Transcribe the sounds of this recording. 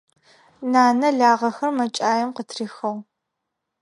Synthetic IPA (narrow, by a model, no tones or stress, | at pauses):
naːnɐɮaːʁɐxɐrmɐt͡ʃʼaːjɛmqətʰriːxɐw